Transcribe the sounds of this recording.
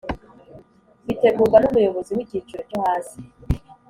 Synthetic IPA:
ɡite̞ɡuɡanumujo̞βo̞ziwiɟit͡ʃiɾocuhaːnzi

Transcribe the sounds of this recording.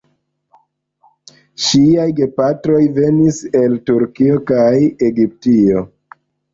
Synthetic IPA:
ʃiajɡe̞patɾo̞jve̞nise̞ltuɾkio̞kaje̞ɡip̚tio̞

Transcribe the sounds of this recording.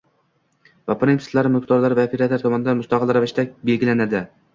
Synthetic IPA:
vapʰɾet̪ɪ̥t̪laɾɪmʊqt̪ʰɒɾlaɾvaopʰeɾat̪laɾt̪ʰɒmɒnɪd̪anmʊst̪ɑqʰɨlˠɾavɪʃt̪abe̞lɡʲɪlanad̪ɪ

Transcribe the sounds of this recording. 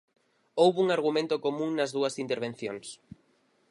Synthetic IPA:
owβuŋaɾɣ̞umẽnt̪ʊkomũŋnɐzðuɐsint̪eɾβ̞ẽn̟θjoŋs

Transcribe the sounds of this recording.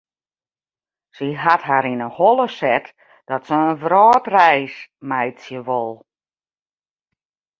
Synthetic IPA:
siɦatɦaɾinəholˠəsɛt | d̥ɔtsəənfrɔːtrɛjsmɛjtsjəʋolˠ

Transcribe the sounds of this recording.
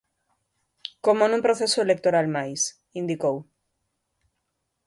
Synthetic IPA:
komonũmpɾoθesoelek̚t̪oɾalmajs | ind̪ikow

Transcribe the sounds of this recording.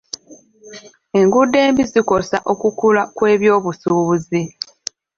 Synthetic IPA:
e̞ŋɡudːe̞ːmbiziko̞saʔo̞kukulakwe̞ːβjo̞ːβusuːβuzi

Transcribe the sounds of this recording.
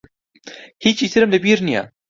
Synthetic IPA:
hit͡ʃit̪ʰiɾəmlebiːɾnija̰

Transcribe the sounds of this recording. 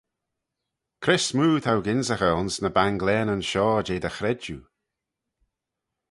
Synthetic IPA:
kʰɾɪsmuːt̪ʰawɡɪnzəxɔlnsnəbaŋɡlɛːnənʃɔːd͡ʒeːd̪əxɾɛd͡ʒṵ

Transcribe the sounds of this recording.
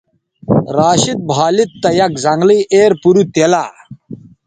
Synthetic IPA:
ɾaːɕit̪̚bʱaːlit̪ːɐjɐkzɐŋɡliʔeːɾpuɾut̪elaː

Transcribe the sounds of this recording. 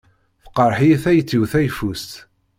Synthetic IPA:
θə̥qːəɾˤħiθæjt͡sːiwθæjfust̪

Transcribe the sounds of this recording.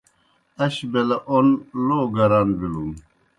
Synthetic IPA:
ɐɕbelɐʔonloːɡɐɾanbilun

